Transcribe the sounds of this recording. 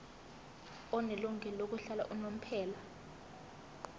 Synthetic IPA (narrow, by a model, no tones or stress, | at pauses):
ɔnɛluŋʱɛlok̬uɬala̰ʔunom̩pʰɛːla